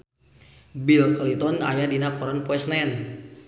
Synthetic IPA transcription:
bilklit̪ɔna̰jadinapɔɾanpwɛsnɛn

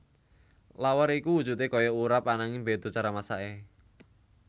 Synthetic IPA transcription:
lawaɾikuwud̥d͡ʒ̥ṳt̪ekɔjɔuɾapanaŋimbed̪̥o̤t͡ʃaɾamasaʔe

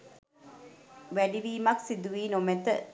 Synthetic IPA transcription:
ʋæliʋiːmɐksid̪uʋiːnomet̪ə

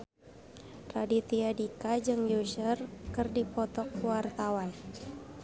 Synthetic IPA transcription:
radit̪iadikad͡ʒɨŋjuʃərkɨrdipɔt̪ɔk̚wart̪awan

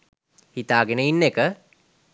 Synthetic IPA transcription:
hit̪aːɡenəinːekə

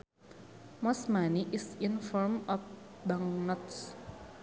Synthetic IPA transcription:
mɔsmaniʔɪsɪnfɔɹmɔf | baŋnɔts

